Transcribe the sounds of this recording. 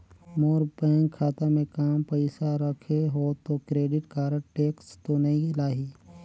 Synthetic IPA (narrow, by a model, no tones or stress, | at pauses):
moːɾbɛ̃ːŋkkʰːaːt̪amẽkaːmpəɪsaɾəkʰeɦot̪okɾeːɖɪʈkaːɾəʈeːkst̪onɐɦĩlaːɦiː